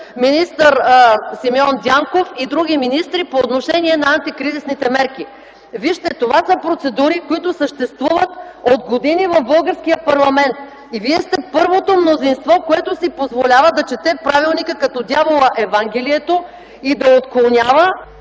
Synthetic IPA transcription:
minist̪əɾsimiɔnd̪ʲaŋkofid̪ɾuɡ̟iminist̪ɾipoːt̪noʃɛniɛnɐːnt̪ikɾizisnit̪ɛmɛɾk̟i | viʃt̪ɛt̪ovasəpɾot̪sɛd̪uɾikoit̪ʊsəʃt̪ɛst̪vuvət̪od̪ɡod̪inivɐvbɤlˠɡəɾsk̟ijəpɐɾlˠɐmɛnt̪ | iviɛst̪ɛpɤɾvot̪omnozinst̪vɔkoɛt̪osipozvolʲavəd̪ɐt͡ʃɛt̪ɛpɾavilˠnikəkɐt̪ɔd̪ʲjavolˠəʔɛvaŋɡɛliɛt̪o | id̪ɐot̪konʲavə

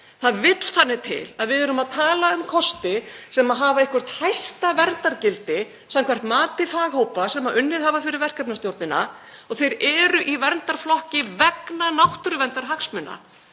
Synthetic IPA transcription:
θaðvɪt̪l̥θanːɪt̪ʰɪ̰laðvɪðɛɾʏmaðt̪ʰaːlaʏmkʰɔst̪ɪsɛmaðɦaːvaɪhkvʏr̥t̪hajst̪avɛrnt̪aɾcɪlt̪ɪ | samkʰvɛr̥t̪maːt̪ɪfaːɣhowpasɛmaʏnːɪðhaːvafɪɾɪɾvɛr̥kapnast̪jowɾt̪nɪna̰ɔɣθejɾɛɾʏʔivɛɾnt̪aɾ̥flɔhcɪvɛknanawht̪ʏɾʏvɛnt̪aɾ̥ɦaksmʏnːa̰

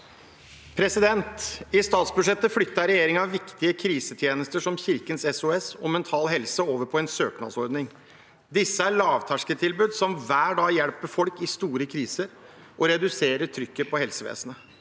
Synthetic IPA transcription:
pʰɾɛsɪd̪ɛnt̪ɪst̪ɑːt̪sbʉʂɛt̪ːəflʏt̪ːɑɾɛjeːɾɪŋɑʋɪkt̪ɪəkʰɾiːsət̪ʰjeːnəst̪əʂɔmçɪɾkənsɛsʊɛsɔmɛnt̪ʰɑːlɦɛlsəoːʋəɾpʰɔɛnsøːknɑ̰d̪sɔɾd̪nɪŋ | d̪ɪsːəæɭɑːʋt̪ʰæʂkət̪ʰɪlbʉːd̪sɔmʋæːɖɑːjɛɽpəfɔlkɪst̪uːɾəkʰɾiːsəɾ | ʔɔɾɛd̪ʉseːɾəʈ̪ʰɾʏkːəpʰɔhɛlsəʋḛːsənə

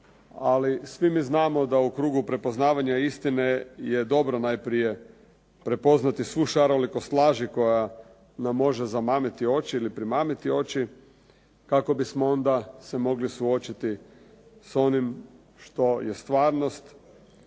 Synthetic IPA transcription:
alisʋimiːznaːmo̞d̪aukɾuːɡupɾe̞po̞znaːʋaɲaist̪ine̞jed̪o̞bɾonajpɾije̞ | pɾe̞po̞znat̪isʋuʃaɾolikost̪lˠaːʒiko̞ja | namːo̞ʒezamaːmit̪io̞t͡ɕiilipɾimaːmit̪io̞t͡ɕi | kako̞bismoo̞nd̪asemo̞ɡlisuo̞t͡ʃit̪i | so̞nim | ʃt̪o̞jest̪ʋaːɾno̞st̪

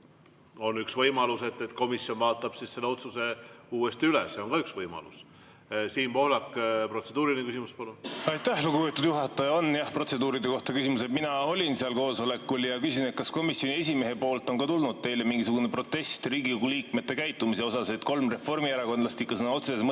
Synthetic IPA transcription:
o̞nyksvɤjmɑluse̞t̪ːˑet̪ko̞misjo̞nvɑːt̪ːˑɑb̥sisse̞lːeo̞t̪suse̞uːest̪iylɛ̰sːeo̞ŋkɑyksvɤjmɑ̰lṵs | siːnpo̞hlɑkːpro̞t̪se̞d̪uːɾinekysimuspɑluɑjt̪ˑːæhluɡupe̞t̪ːˑud̪juɦɑt̪ːˑɑjɑo̞njɑhpro̞t̪se̞d̪uːɾid̪e̞ko̞ht̪ɑkysimused̪minɑo̞lʲinseɑlko̞ːso̞le̞kːuljɑkysine̞t̪̚kɑsko̞misjo̞nie̞s̬ʲime̞ɦe̞po̞ːlt̪ːˑo̞nkɑt̪ulnud̪̥̚t̪e̞jle̞miŋɡ̥isuɡunepro̞t̪ːe̞st̪riːɡioɡuliːkme̞t̪ːˑe̞kæjt̪ːˑumise̞o̞sɑset̪ko̞lmre̞fo̞rmiæɾɑkonlɑst̪ikːɑsɤnɑo̞t̪susesm

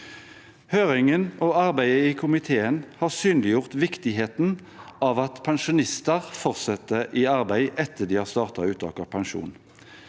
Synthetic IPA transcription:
høːʁɪŋənɔɑʁbæɪəiːkʰʊmɪt̪ʰeːənhɑːʁsyːnlɪjʊʁt̪ʋɪkt̪ɪɦeːt̪n | ɑːʋɑt̪pʰɛnʃʊnɪst̪əʁfɔʁsɛt̪ːəʔiːɑʁbæɪʔɛt̪ʰːəd̪iːhɑːʁst̪ɑːʁt̪ɑʉːt̪ʰɑ̰ːkɑpʰɑnʃṵːn

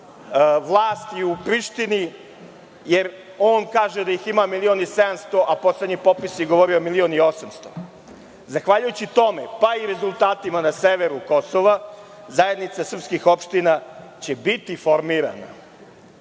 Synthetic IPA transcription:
ʋlˠaːst̪jiupɾiʃt̪ini | jeɾ | o̞ːnkaːʒed̪aiximamilio̞nised̪amst̪o̞ʔapo̞sledɲipo̞pisjeɡoʋo̞ɾiomilio̞nio̞samst̪o̞ | zaxʋaʎujut͡ɕit̪o̞mepaiɾe̞zulˠt̪aːt̪imanaseʋeɾuko̞soʋa | zaje̞d̪nit̪sasr̩pskixo̞pʃt̪inat͡ɕe̞bit̪ifo̞ɾmiɾa̰na̰

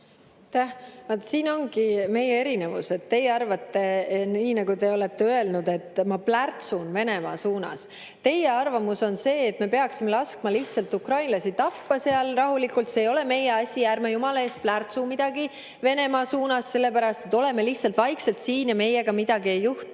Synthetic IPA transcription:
t̪æhvɑt̪siːno̞ŋɡ̥ime̞jee̞ɾine̞vṵse̞t̪ːe̞jːeɑrvɑt̪ːe̞niːnɑɡut̪e̞o̞let̪ːe̞øe̞lnud̪̥e̞t̪ːmɑplært̪sunve̞ne̞mɑːsuːnɑ̰s | t̪e̞jeɑrvɑmuso̞nse̞ːt̪ːme̞pe̞ɑksime̞lɑskmɑliht̪sɑlt̪ukrɑjnlɑsit̪ɑpːɑseɑlrɑɦulikult̪seːjo̞le̞me̞je̞ɑsʲijærmejumɑlɑe̞ːsplært̪sumid̪̥ɑɡi | ve̞ne̞mɑːsuːnɑsːe̞lːe̞pæɾɑst̪e̞t̪ːˑo̞le̞me̞liht̪sɑlt̪vɑjkse̞lt̪siːnjɑme̞jeɡ̥ɑmid̪̥ɑɡie̞jːuht̪

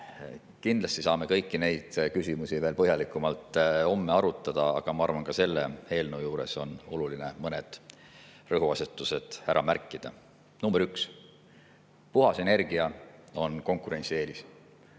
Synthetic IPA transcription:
kind̪lɑst̪isɑːme̞kɤjkːine̞jd̪̥kysʲimusive̞ːlpɤɦjɑlikːˑumɑlt̪ːˑo̞mːe̞ɑɾut̪ːˑɑd̪̥ɑɑ̰ɡ̥ɑmɑɑrvɑnkɑse̞lːḛhe̞ːlnoːjuːɾe̞so̞no̞̰luline̞mɤned̪̥ | rɤɦuɑset̪ˑːuse̞d̪̥hæɾʔɑ̰mæɾkːˑid̪̥ɑ̰ | nuːmb̥eɾyks | puɦɑsene̞rɡ̥iɑo̞nko̞ŋkˑuɾe̞nʲt̪sie̞ːlis

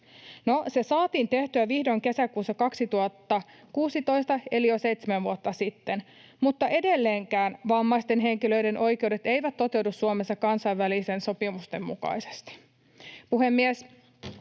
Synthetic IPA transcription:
nose̞sɑːt̪iːnt̪e̞ht̪yæʋihdo̞ŋke̞sækuːsːɑkɑksit̪uɑt̪ːɑ | kuːsit̪o̞ist̪ɑe̞lijose̞ijt̪semæʋʋuot̪ːɑsit̪ːen | mut̪ːɑʔe̞delːeːŋkæːnʋɑmːɑist̪e̞nɦe̞ŋkilø̞ide̞nʔo̞jke̞wde̞t̪e̞jʋæt̪t̪ːo̞t̪e̞wdusːuomesːɑkɑnsɑiʋʋælisenso̞pimust̪e̞mmṵkɑ̰ise̥st̪i̥ | puɦemːies

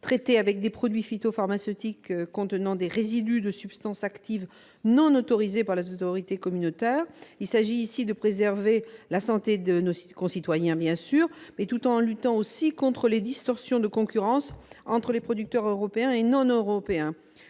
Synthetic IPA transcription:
t̪χet̪eavɛk̚d̪epχɔd̪ɥifit̪ofaʁmasøt̪ikkːɔ̃t̪ənɑ̃d̪eʁezid̪yd̪əsypst̪ɑ̃sakt̪iv | nɔ̃not̪ɔʁizepaʁlezot̪ɔʁit̪ekɔmynot̪ɛʁilsaʒiːsid̪əpχezɛʁvelasɑ̃t̪ed̪ənoskɔ̃sit̪wajɛ̃bjɛ̃syːʁmɛt̪ut̪ɑ̃lyt̪ɑ̃osikɔ̃t̪χəled̪ist̪ɔʁsjɔ̃d̪əkɔ̃kʲyʁɑ̃sɑ̃t̪χəlepχɔd̪yk̚t̪œʁøʁɔpeɛ̃enɔ̃nøʁɔpeɛ̃

